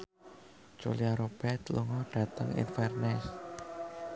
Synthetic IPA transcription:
d͡ʒ̥uliaɾob̥ɛrt̪luŋɔɖ̥ä̤t̪əŋḭnfɛrnɛs

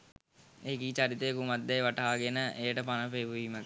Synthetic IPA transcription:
ekiːt͡ʃaɾit̪əjkumad̪ːajʋaʈaaːɡenəʔejəʈəpanəpeʋuʋiːmək

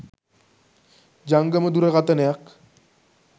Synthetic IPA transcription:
d͡ʑaŋɡəməd̪uɾəɣat̪ənejak

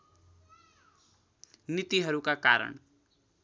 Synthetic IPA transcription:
nit̪iɦʌɾukakaɾʌ̰ɳ

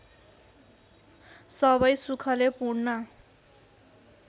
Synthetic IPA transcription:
sʌβʌjsukʰʌlepuɽnʌ

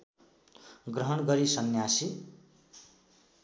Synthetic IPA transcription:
ɡrʌɦʌnɡʌɾisʌnjasi

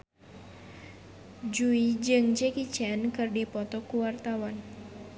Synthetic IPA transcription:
d͡ʒuid͡ʒɨŋd͡ʒɛkit͡ʃɛnkɨrdipɔt̪ɔkuwart̪awan

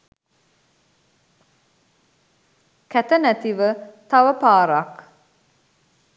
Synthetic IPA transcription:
kɛt̪ɐnæt̪iʋət̪ɐʋɐpaːɾak

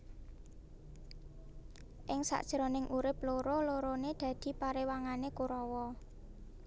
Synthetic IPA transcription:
ʔɪŋsa̰ʔd̥ʒ̥ɾɔnɪŋʔuɾɪploɾoloɾoned̪̥ä̤d̪̥i̤paɾewaŋanekuɾɔwɔ

